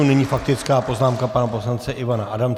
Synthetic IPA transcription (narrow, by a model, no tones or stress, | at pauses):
unɛɲiːfak̚t̪ɪt͡skaːpo̞znaːmkapanaposlant͡sɛʔɪvanaʔadam